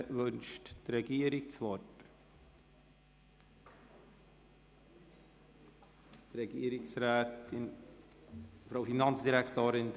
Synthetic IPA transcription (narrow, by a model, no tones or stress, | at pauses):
ʋɵnʃttrɛɡiəɾɪkt͡sʋɔt | t̪ɾɛɡiəɾɪksɾæːtɪn | fɾoʊfinɑnt͡sd̥iɾækt̪oːɾɪn